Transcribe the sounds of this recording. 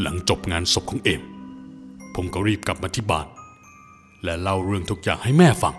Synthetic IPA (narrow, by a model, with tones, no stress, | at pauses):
la̰˩˦ŋt͡ɕo˨˩p̚ŋaː˧nso˨˩p̚kʰːŋʔeː˧˩m | pʰo˩˦mkɔ˧˩wɾiː˥˩p̚kla˨˩p̚maː˧t̪ʰi˦˩ba̰ː˨˩t̪̚ | lɛ˦˥la˥˩wɾɯ˥˩əŋt̪ʰu˦˥k̚jaː˨˩ŋha˥˩jmɛː˥˩fa̰˧ŋ